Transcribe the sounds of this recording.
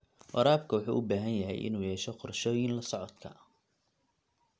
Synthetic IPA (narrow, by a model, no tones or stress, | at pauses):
wɐɾaːbkʰɐwɑħṵːʔʊbaːɦɐnjɐɦɛ̰jʔɪ̰nuːjɛːʃɛqɔrʃɔːjɪnlɐsɔʕɔd̪kʰɐ